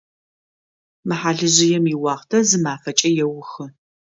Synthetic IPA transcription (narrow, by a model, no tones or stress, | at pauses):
mɨħaːɮɨʑɪjɛmiwɑːχtʰɐzɨmaːfɐt͡ʃʼɐjɛwʊxɨ